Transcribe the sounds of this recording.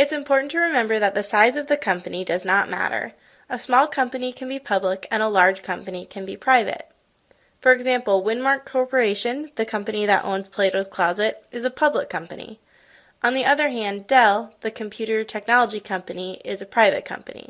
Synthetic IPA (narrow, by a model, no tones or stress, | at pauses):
ɨtsɨ̃mpʰɔɹʔn̩tʰɨɹɨmɛ̃mbə˞ðɨt̪̚ðɨsaɪzʌvðɨkʰʌ̃mpɨnidʌznət̚mæ̰ɾə̰˞ | əsmɔlˠkʰʌ̃mpɨnikʰɨ̃nbipʰʌbləkɨ̃ñəlɑɹd̥ʒ̥kʰʌ̃mpɨnikʰɨ̃nbipʰɹ̥aɪvɨ̰t̚ | fə˞ɨɡzæ̃mpl̩ˠwɪ̃nmɑɹkʰːɔɹpə˞eɪʃɨ̃nðɨkʰʌ̃mpɨniðɨ̰ɾʔõ̰ʊ̃nz̥pʰl̥eɪɾoʊz̥kʰl̥ɑzɨɾɨzəpʰʌbləkʰːʌ̃mpɨnḭ | ʔə̃nðiʔʌðə˞ɦæ̃ndɛlˠðɨkʰm̩pʰj̥ʉɾə˞tʰɛk̚nɑlˠəd͡ʒikʰʌ̃mpɨniʔɪzɨpʰɹ̥aɪvɨ̰t̚kʰʌ̰̃mpɨ̰nḭ